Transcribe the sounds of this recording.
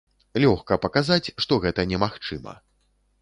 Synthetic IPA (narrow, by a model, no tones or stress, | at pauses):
lʲɔxkɐpɐkazat͡sʲʂt̪ɔɣɛt̪ɐnʲɛmaxt͡ʂɨmɐ̰